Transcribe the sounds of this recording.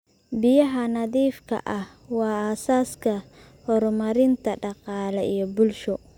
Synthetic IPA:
bɪjɐɦɐnɐðiːfkʰɐ̰ʔɐh | wɑːaːsaːskʰɐ | hɔɾɔmɐɾɪnt̪ʰɐɖɑqɑːlɛijɔbʊlʃɔ

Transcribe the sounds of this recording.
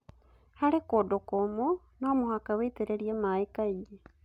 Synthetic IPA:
haɾekodokomo | nomoɦakaweteɾeɾiemaikaije

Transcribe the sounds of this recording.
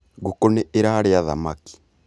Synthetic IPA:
ɣukoneeɾaɾejaða̰maki̥

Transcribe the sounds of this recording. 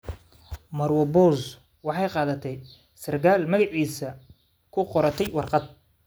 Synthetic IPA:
mɐrwɐbɔːs | wɑħɑjqɑːðɐt̪ʰɛj | sɐrɡaːlmɐɣɐʕiːsɐ | kʰʊqɔɾɐt̪ʰɛjwɑrqɑd̪̚

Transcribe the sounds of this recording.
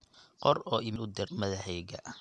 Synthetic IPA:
qɔrɔːɪmʊd̪ɪrmɐðɑħɛːɣɐ

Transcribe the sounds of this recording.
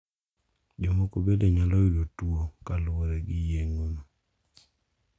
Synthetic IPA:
d͡ʒɔmokobedeɲalɔiɾotwokalwoɾeɡɪjeŋonɔ

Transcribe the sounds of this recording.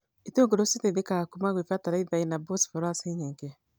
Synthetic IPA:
itoŋɡoɾositeðekakumaɣwifataɾaiðainabosfɔɾasiɲiːŋɡɛ

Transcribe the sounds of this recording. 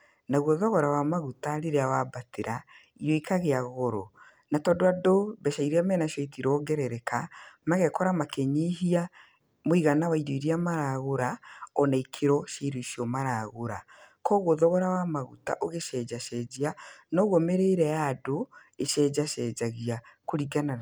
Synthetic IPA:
naɣwɔðɔɣɔɾawamaɣutaɾeɾeawabateɾa | ijɔikaɣeaɣoɾɔ̰ | natɔːdoadobɛʃaiɾeamɛːnaʃiɔitiɾɔːɡɛɾɛɾɛkamaɣɛkɔɾamakɛɲiɦia | moiɣanawaidoiɾiamaɾaɣoɾaɔnaikʰeɾɔʃeɾoiʃijɔmaɾaɣoɾa̰ | kɔɣoðɔɣɔɾawamaɣuta̰ʔoɣeʃɛd͡ʒaʃɛd͡ʑianɔɣɔmeɾeɾɛadoeʃɛd͡ʒaʃɛd͡ʑaɣiakoɾiɡana

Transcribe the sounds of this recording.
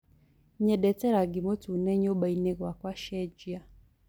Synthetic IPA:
ɲɛɗɛtɛɾaɡimotunɛɲoɓainɛɣwakwaʃɛd͡ʒia

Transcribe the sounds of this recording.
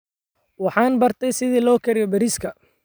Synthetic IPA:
wɑħɑːnbɐrt̪ʰɛjsɪðiːlɔːkʰɐɾɪjɔbɐɾiːskʰɐ

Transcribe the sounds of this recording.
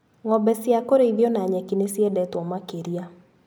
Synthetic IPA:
ŋɔbɛsɪakoɾeiðjonaɲɛkinisjɛdɛtwɔmakeɾja

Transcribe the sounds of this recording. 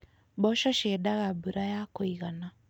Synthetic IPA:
bɔʃɔʃedaɣabuɾajakoiɣana

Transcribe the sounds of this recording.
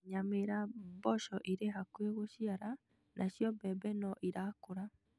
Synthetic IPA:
ɲameɾabɔʃɔʔiɾeɦakweɣoʃiaɾa | nʔaɕjɔbɛbɛnɔʔiɾakoɾa

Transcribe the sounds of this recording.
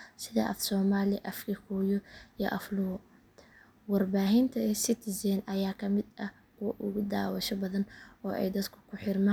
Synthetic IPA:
sɪðɐ̰ʔɐfsɔːmaːlɪʔɐfkʰɪkʰuːjɔjiʔɐflʊwɔ | wɑrbaːɦɪnt̪ʰɐsɪt̪ʰɪsɛnɐjaːkʰɐmɪd̪ɐ | kʰʊwɐʔʊɣʊd̪a̰ːwɐʃɔbɐðɐnɔːʔɛ̰jd̪ɐd̪kʰʊ̥kʰʊħɪrmaːn

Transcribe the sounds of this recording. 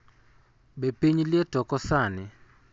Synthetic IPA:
ɓepeɲiliɛd̥ʱɔkɔsaːni

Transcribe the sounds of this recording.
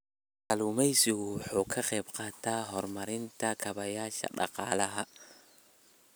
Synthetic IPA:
ɐluːmɛjsɪɣʊwʊħuːkʰɐqɛjbqɑːt̪ʰaːɦɔrmɐɾɪnt̪ʰɐkʰɐβɐjaːʃɐ̰ɗɑ̰qɑːlɐɦɐ

